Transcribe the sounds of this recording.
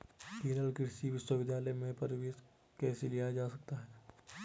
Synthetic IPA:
keːɾəlkɪɾsiʋɪswəʋɪd̪ʱjaːləmẽpɐɾʋeːs | kɛːselijad͡ʒaːsɐk̚t̪aɦɛː

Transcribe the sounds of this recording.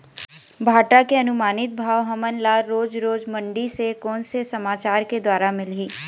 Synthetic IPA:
bʱaːʈakeɐnʊmaːnɪt̪̚bʱaːʋɦɐmənlaːɾoːd͡ʒɾoːd͡ʒmɐ̃ɳɖisekɔːnsesɐmaːt͡ʃaːɾked̪waːɾamɪlɦiː

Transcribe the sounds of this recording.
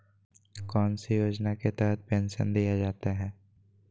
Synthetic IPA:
kɔːnsijoːd͡ʒnaket̪ɛːɦət̪̚ʰpɛ̃ːnʃə̰nd̪ijad͡ʒaːt̪aɦɛː

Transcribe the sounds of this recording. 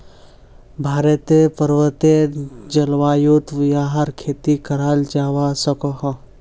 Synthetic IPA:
bʱaːɾət̪epɐɾʋət̪ed͡ʒɐlʋaːjuːt̪ʋjaːɦaɾkʰeːt̪ikɐɾaːld͡ʒaːwasɐkoɦɐ̃

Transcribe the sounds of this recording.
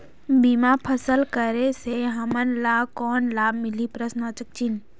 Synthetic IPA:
bimapʰəsəlkəɾeseɦəmənlaːbkɔːnlaːb̚mɪlipɾəsnaːt͡ʃək̚t͡ʃin

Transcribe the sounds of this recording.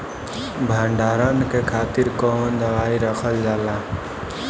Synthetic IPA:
bʱəɳɖaːɾənkekʰaːt̪iɾkɔɦənd̪əʋaːiɾəkʰəld͡ʒaːla

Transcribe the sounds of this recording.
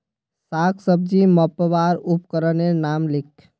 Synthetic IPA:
sakʰsəb̚d͡ʒiməpʋaɾupkəɾənenamlikʰ

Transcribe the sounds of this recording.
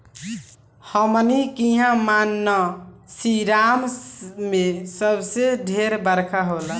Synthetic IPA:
həmnikiɦãmanːəsiɾammesəbseɖʱeɾbəɾkʰaɦola

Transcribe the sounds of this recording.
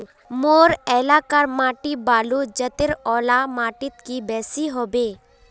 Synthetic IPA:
moːɾɛːlaːkəɾmaːʈibaːlud͡ʒət̪ɪɾɔːlamaːʈɪt̪kibɛːsiɦoːbeː

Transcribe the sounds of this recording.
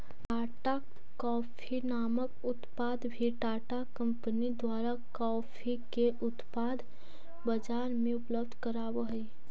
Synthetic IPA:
ʈaːʈa | kɔːpʰinaːməkʊt̪paːd̪bʱiʈaːʈakə̃mpənid̪waːɾakɔːpʰikeʔʊt̪paːd̪ | bəd͡ʒaːɾmẽʊpləb̚d̪ʱkəɾaːwoɦɛi

